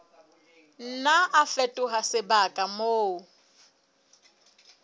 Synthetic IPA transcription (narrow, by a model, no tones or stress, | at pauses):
n̩naʔafɛtʼʊɦasɪbakʼamoː